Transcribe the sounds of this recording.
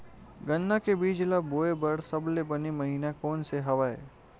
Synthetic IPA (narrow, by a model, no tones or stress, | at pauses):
ɡənːakebiːd͡ʒlaboːebɐɽsɐblebɐnimɐɦiːnakɔːnseɦɐʋaːḛː